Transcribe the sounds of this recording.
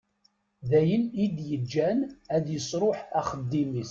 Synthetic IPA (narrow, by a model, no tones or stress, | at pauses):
ðæjənid̪jəd͡ʒːænæðjəsɾˤoħæχəd̪ːimis